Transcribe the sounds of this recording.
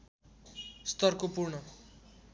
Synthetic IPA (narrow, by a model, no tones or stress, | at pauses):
st̪ʌrkopurɳʌ